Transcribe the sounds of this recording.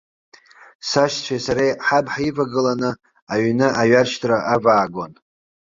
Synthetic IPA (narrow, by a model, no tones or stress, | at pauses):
saʃt͡ɕʷʰejsaɾejħabħaivaɡɨlanɨ | aɥnɨʔaɥarʃtʰʼraʔavaːɡʷon